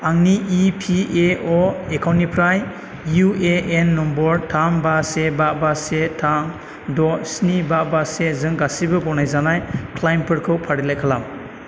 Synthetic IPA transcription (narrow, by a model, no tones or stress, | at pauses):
aŋniipʰieɔekʰawnipʰɾaj | jueenːɔmbɔɾtʰambasebabasetʰaŋ | dɔsnibabasezɯŋɡasibɯbɔnajzanajkʰlajmpʰɯɾkʰɯwpʰaɾilajkʰalam